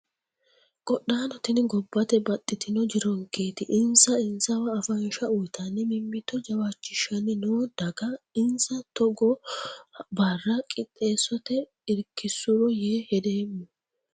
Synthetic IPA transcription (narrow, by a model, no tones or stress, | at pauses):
kʼɔɗːaːnɔt̪ɪnɪɡɔbːɐt̪ɛbɐt̪ʼːɪt̪ɪnɔd͡ʒɪɾɔŋkeːt̪ɪʔɪnsɐɪnsɐwɐːfɐnʃɐʊjt̪ʰɐnːɪmɪmːɪt̪ːɔd͡ʒɐwaːt͡ʃːɪʃɐnɪnoːd̪̥ɐɡɐɪnsɐt̪ɔɡɔ | baːrːɐkʼɪt̪ʼːe̞ːsɔt̪ɛ | ɪɾkːɪsʊɾɔjeːhɛd̪e̞ːmːʊ